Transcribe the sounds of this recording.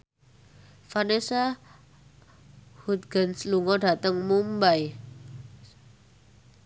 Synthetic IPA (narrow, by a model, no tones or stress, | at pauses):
fanesa | hut̪̚ɡ̥a̤nsluŋɔɖa̤t̪əŋmumbaj